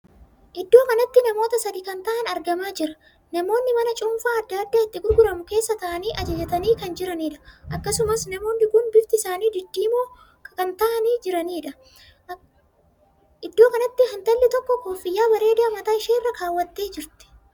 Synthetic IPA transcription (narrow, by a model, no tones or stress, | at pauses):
ʔɪd̪ːo̞ːkɐnɐt̪ːɪnɐmo̞ːt̪ɐsɐd̪iːkɐnt̪ɐʔɐnɐɾɡɐmaːd͡ʒɪɾɐ̥ | nɐmo̞ːnːɪmɐnɐt͡ʃʼʊmfaːɐd̪ːɐd̪ːaːɪt̪ːɪɡʊɾɡʊɾɐmʊke̞ːsːɐt̪ɐʔɐniːʔɐd͡ʒɐd͡ʒɛt̪ɐniːkɐnd͡ʒɪɾɐniːᶑɐ̥ʔɐkːɐsʊmɐsnɐmo̞ːnːɪɡʊnbɪft̪ɪsaːniːd̪ɪd̪ːiːmoː | ɐnt̪ɐʔɐniːd͡ʒɪɾɐniːᶑɐ | ʔɪd̪ːo̞ːkɐnɐt̪ːɪɦɐnt̪ɐlːɪt̪ɔkːɔkoːfːɪjːaːbɐɾe̞ːd̪ɐmɐt̪aːɪʃeːrːɐkaːwːɐt̪ːeːd͡ʒɪɾt̪ɪ̥